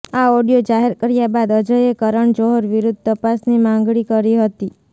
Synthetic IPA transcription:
aoɖijod͡ʒaɦeɾkəɾjabad̪əd͡ʒəjekəɾəɳd͡ʒoɦəɾʋiɾud̪̚ʱt̪əpasnimãŋɡɭikəɾiɦət̪i

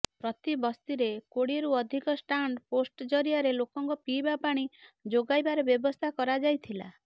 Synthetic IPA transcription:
pɾɔt̪ibɔst̪iɾekoɽieɾuɔd̪ʱikɔsʈaɳɖposʈd͡ʒɔɾiaɾelokɔŋkɔpibapaɽ̃id͡ʒoɡajbaɾɔbjɔbɔst̪ʰakɔɾad͡ʒajt̪ʰila̰

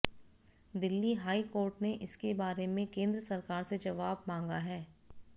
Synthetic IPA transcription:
d̪ɪlːiɦaːikoːɾʈneʔɪskebaːɾemẽkẽːnd̪ɾəsɐɾkaːɾsed͡ʒɐʋaːbmãːŋɡaɦɛː

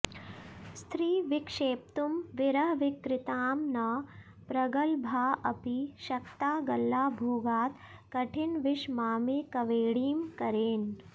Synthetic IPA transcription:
st̪ʰɾiːʋɪkʂeːp̚t̪umʋɪɾɐɦʋɪkɾɪt̪aːmnɐ | pɾɐɡɐlbʱaːʔɐpiʃɐkt̪aːɡɐlːaːbʱoːɡaːt̪kɐʈʰɪnʋɪʃmaːmeːkɐʋeːɽiːmkɐɾeːn

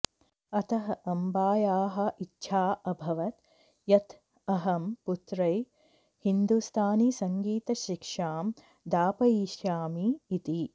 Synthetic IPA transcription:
ɐt̪ɐɦɐʔɐmbaːjaːɦɐ̆itːʃʰaːɐbʱɐʋɐt̪ | jɐt̪ | ɐɦɐmput̪ɾɐj | hind̪ust̪ʰaːnisɐŋɡiːt̪ɐʃikʂaːm | d̪aːpɐiːʃjaːmiːt̪i

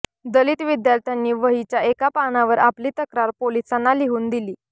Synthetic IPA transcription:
d̪əliːt̪ʋid̪jaɾt̪ʰjanːiːʋəɦit͡ɕjaekapanaʋəɾapliːt̪əkɾaɾpolisanːaliɦuːnd̪iliː

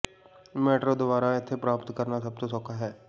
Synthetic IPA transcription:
meːʈɾoːd̪ʊbaːɾaɪt̪ʰːepɾaːpt̪kəɾnasəb̚t̪osɔkʰaɦɛː

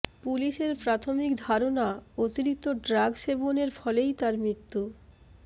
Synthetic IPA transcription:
puliʃeɾpɾat̪ʰomikd̪ʱaɾonaot̪iɾik̚t̪ːoɖɾaɡʃeboneɾfɔlejt̪aɾmɾit̪ːu

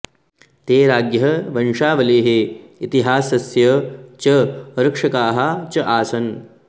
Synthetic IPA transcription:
t̪eːɾaːɡjɐɦɐʋɐnʂaːʋɐleːɦeit̪iɦaːsɐsjɐt͡ʃɐɾɐkʂɐkaːɦɐt͡ʃɐʔaːsɐn

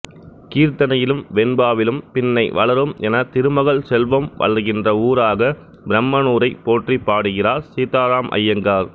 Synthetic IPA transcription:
kiːɾt̪ɐnɐjɪlɯmʋɛnbaːʋɪlɯmpɪnːɐɪʋɐɭɐɾɯmɛnɐt̪ɪɾɯmɐɣɐɭsɛlʋɐmʋɐ̰ɭɐɾɣɪndrɐuːɾaːɣɐ | bɪɾɐmːɐnuːɾɐɪpoːʈripːaːɽɯɣɪraːɾsiːt̪aːɾaːmʔɐ̰jːɐŋɡaːɾ

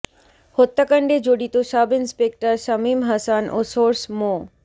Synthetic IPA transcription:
hot̪ːakəɳɖed͡ʑoɽit̪oʃabɪnspek̚ʈəɾsɐmiːmɦɐsanʔo̰soːɾsmo

